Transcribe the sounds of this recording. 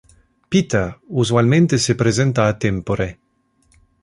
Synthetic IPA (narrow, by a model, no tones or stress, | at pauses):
pit̪auzwalmẽnt̪esepɾezent̪aːt̪empoɾe